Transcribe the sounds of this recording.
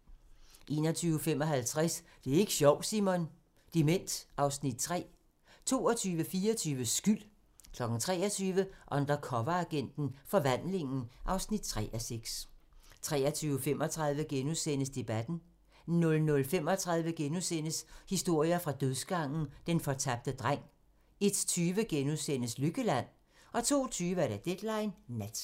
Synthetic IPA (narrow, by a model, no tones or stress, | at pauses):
ʔe̝̰ːnɒt͡sʰyːʊəfemɒ̽ɦælt͡sʰʁas | d̥e̝æe̝ɡ̥ə̥ɕɒʊ̰̥simɔn | d̥imen̰d̥ʔɑ̈ʊsnid̥̚t͡sʰʁɛ̰ː | t͡sʰo̝̰ːɒt͡sʰyːʋəfiːɐt͡sʰyːʋəsɡ̥yl̰ | kʰlɒ̽ɡ̥n̩t͡sʰʁɛ̰ːɐt͡sʰyːʋəʔɒ̽nd̥ɐkʰɒ̽ʋɐæɡ̥en̰d̥n̩fɒ̽ʋæn̰le̝ŋn̩ʔɑ̈ʊsnid̥̚t͡sʰʁɛ̰ʔæseɡ̥st͡sʰʁɛ̰ːɐt͡sʰyːʊəfemɒ̽t͡sʰʁɑ̈ð̞ˠʋəɡ̥enusen̰əsd̥e̝b̥æd̥n̩ | nɔ̽lnɔ̽lfem̰ɒ̽t͡sʰʁɑ̈ð̞ˠʋəɡ̥enusen̰əshisd̥o̝ɐ̰jɐfʁɑ̈d̥øðˠsɡ̥ɑ̈ŋ̰n̩d̥enfɒ̽t͡sʰæb̥̚d̥əd̥ʁaŋ̰ | e̝d̥t͡sʰyːʋəɡ̥enuðˠsen̰əsløɡ̥əlæn̰ | ʔɒ̽t͡sʰo̝̰ːt͡sʰyːʋəæɐɾ̥æd̥ed̥lɑ̈ɪnːæd̥